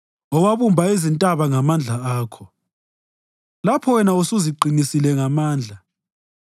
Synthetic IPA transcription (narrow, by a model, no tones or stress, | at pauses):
ɔwaβumbʱaizintʼaβaŋamand͡ɮʱaaːkʰɔ | lapʰɔwɛnausuziǃʱinisilɛŋamaːnd͡ɮʱa